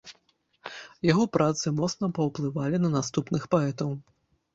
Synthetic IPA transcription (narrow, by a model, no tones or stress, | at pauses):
jaɣɔpɾʔat̪sɨmɔt̪snɐpɐwplˠɨvalʲinɐnast̪upnɨxpaɛt̪ɐw